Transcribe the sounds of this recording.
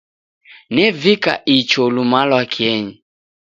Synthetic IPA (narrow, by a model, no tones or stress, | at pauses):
nɛvika̰ʔit͡ʃɔlumalwakʰiɛɲi